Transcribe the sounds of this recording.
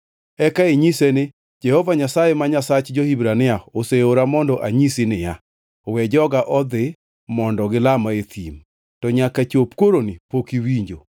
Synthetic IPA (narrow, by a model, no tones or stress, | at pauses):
ɛkaeɲisenɪ | d͡ʒɛhɔvaɲasajemaɲasat͡ʃd͡ʒohibɾanɪaoseoɾamɔndɔʔaɲisinɪja | wɛd͡ʒɔɡaʔɔd̪ɪ | mɔndɔɡɪlamaet̪ʰḭm | tɔɲakat͡ʃopkwoɾonɪpokiwiɲd͡ʒo̰